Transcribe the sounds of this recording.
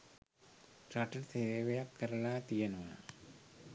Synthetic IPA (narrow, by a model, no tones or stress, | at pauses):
ʈɾaʈərseʋejakːɐɾɐlaːt̪ijɐnuʋa